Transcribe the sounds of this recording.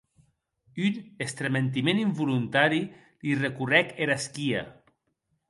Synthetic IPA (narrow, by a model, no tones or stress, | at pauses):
ynest̪ɾement̪̬imẽnimbulunt̪aɾi | lirekurɛkeɾaskia̰